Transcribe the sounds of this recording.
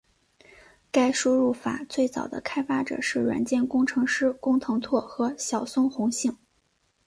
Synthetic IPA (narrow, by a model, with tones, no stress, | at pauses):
ka˥˩ɪʂu˥ɻu˥˩fa̰˨˩˦t͡swe˥˩ɪt͡sɑ̰˨˩ʊd̪ə̰˦kʰa˥ɪfa˥ʈ͡ʂɤ̰˨˩ʂɻ̩˥˩ɻwa̰˧˥nt͡ɕjɛ˥˩nkʊ˥ŋʈ͡ʂʰɤ˧˥ŋʂɻ̩˥kʊ˥ŋt̪ʰɤ˧˥ŋt̪ʰwɔ˥˩xɤ˧˥ɕjɑ˨˩ʊsʊ˥ŋxʊ˧˥ŋɕi˥˩ŋ